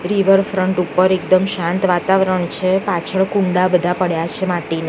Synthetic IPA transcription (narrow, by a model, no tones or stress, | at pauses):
ɾiʋəɾfɾəɳʈupəɾek̚d̪əmʃãnt̪ʋat̪aʋɾəɳt͡ʃʰepat͡ʃʰəɭkũɳɖabəd̪ʱapəɽjat͡ʃʰemaʈina